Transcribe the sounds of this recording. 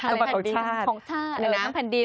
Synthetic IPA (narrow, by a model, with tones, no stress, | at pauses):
kkɔː˨˩˦t͡ɕʰaː˥˩t̪ʰɔː˨˩˦ŋt͡ɕʰaː˩˥˩na˧˩n˧a˦˥mpʰɛː˨˩ndi˧